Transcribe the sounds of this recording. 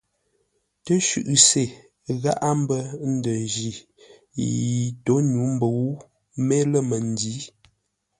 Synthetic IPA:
tə˦ʃʉ̰˦˨ʔse˨ | ɣa˦ʔa˦m̩˦bə˦n̩˦də˨ʒi˨ | ji˨to˨˦nu˨˦m̩˦bə˨u˦ | me˦lə˦˨mə˨n˨di˨˦

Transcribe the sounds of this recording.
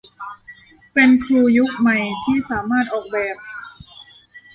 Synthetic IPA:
pe˧nkʰɾuː˧ju˦˥k̚ma˨˩jt̪ʰiː˥˩saː˩˦maː˥˩t̪̚ʔɔː˨˩k̚bɛː˨˩p̚

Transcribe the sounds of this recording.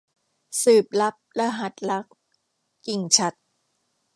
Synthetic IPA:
sɯː˨˩p̚la˦˥p̚la˧˥ɦa˨˩t̪̚la˦˥k̚ː | i˨˩ŋt͡ɕʰa˦˥t̪̚

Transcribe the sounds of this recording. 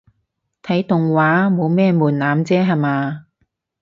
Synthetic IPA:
t̪ʰɐ˨˥jt̪ʊ˨ŋwaː˨˥mo˨˧wmɛː˥muː˨˩nnaː˨˥mt͡sɛː˥ɦɐ˨jmaː˨˧

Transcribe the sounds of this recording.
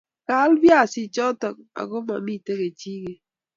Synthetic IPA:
ka˦lbja˦˨sɪ˨t͡ʃɔ˦tɔ˨k̚a̰˨ɡo˦ma˨mi˦˨te˦ke˨t͡ʃi˦ɡe˨

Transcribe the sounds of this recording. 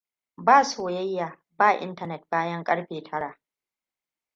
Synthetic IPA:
baː˦˨soː˨jɐ˦jːaː˨ | baː˦˨ʔɪ̰˦ntɐ˨nɛ˨t̚baː˦jɐ˦ŋkʼɐ˦ɽɸeː˨tʰɐ˦ɽaː˨

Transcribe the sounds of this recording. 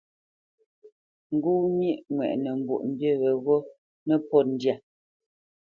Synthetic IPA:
ŋ̩˨ɡu˦mji˦ʔŋwɛ̰˨ʔnɛ˨m̩˨bṵ˨ʔm̩˨bje˦ɣɛ˨ɣo˦ | nɛ˦pɔ˦˨n̩˨dja˨

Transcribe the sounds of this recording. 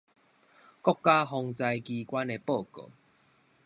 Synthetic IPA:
kɔ˥˦kːa˦ɦɔ˧ŋt͡sa˧jkiː˧kwa˦ne˧po˥˨ko̰˨˩

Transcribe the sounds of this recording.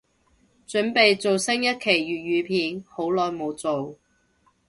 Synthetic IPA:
t͡ʃɵ˨˥npe˨jt͡so˨wsɪ˥ŋjɐ˥t̚kʰe˨˩jɥyː˨t̚ɥyː˨˧pʰiː˨˥nho˨˥wlɔː˨˧jmo˨˧wt͡so˨w

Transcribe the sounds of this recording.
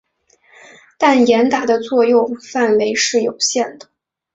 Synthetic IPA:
t̪a˥˩njɛ˧˥nt̪a˨˩d̪ə˦t͡swɔ˥˧jʊ˥˧ŋfa˥˩nwe˧˥ɪʂɻ̩˥˩jo˨˩ʊɕjɛ˥˩nd̪ə˩

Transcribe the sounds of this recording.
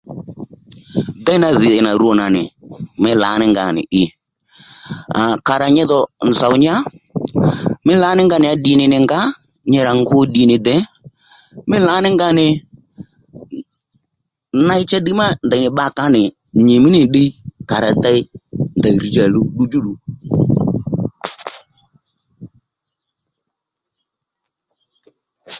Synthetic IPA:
da˦ɪ˦na˦˧ðɪ˨ɪ˨na˨ɾu˦ɔ˨na˨nɪ̰˨mɪ˦la̰˨˦nɪ˦ŋɡa̰˨nɪ̰˨ʔɪ˧ | a˨ka˨ɾa˨ɲɛ˦ðɔ˨n˨za˨wɲ˦a˦ | mɪ˦la˨˦nɪ˦ŋɡa˦nɪ˨a˦ɗi˨nɪ˨nɪ˨ŋɡa˦ | ɲɛ˧ɾa˨ŋɡʊ˦ɗi˨˦nɪ˨d̪ɛ˨˦ | mɪ˦la˨˦nɪ˦ŋɡa˦nɪ˨ | na˧˦ɪ˦t͡ʃa˦ɗi˦ma˦nda˨i˨nɪ˨ɓa˧˦ka˨˦nɪ˨ | ɲe˨mɪ˦nɪ˨ɗe˦ka˨ɾa˨ta˧ɪ˦nda˨i˨ɾi˨d͡ʒa˨lu˧ɗu˦d͡ʒu˦ɗu˨

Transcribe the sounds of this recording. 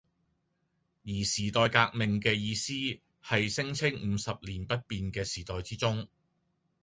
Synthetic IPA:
jiː˨˩siː˨˩t̪ɔː˨jkaː˧k̚mɪ˨ŋkɛː˧jiː˧siː˥ | hɐ˨jsɪ˥ŋt͡sʰɪ˥ŋm̩ː˨˧sɐ˨p̚liː˨˩npɐ˥t̚piː˨nkɛː˧siː˨˩t̪ɔː˨jt͡siː˥t͡sʊ˥ŋ

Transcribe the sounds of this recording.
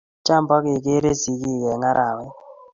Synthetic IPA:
t͡ʃa˦mbɔ˦kɪ˨k̬e˦ɾe˦zi˨˦ki˦˨kɛ˨ŋa˦ɾʔa˨wɛ˦

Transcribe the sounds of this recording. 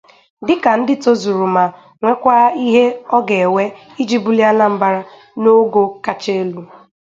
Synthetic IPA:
dɪ˦ka˨n̩˦dɪ˦to˦zu˨ɾu˨ma˨ | ŋʷe˦kʷa˦i˦ɦe˦ɔ˦ɡe˨e˨we˦ | i˦d͡ʒi˦bu˦li˦a˦na˦m̩˦ba˦ɾa˦ | no˦ɡo˦ka˦t͡ʃe˦e˦lu˦

